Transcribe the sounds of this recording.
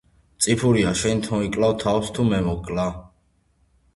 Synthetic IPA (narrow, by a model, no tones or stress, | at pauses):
t̪sʼipʰuɾiaʃɛnt̪ʰɔ̃ikʼlawt̪ʰawst̪ʰumɛmɔkʼla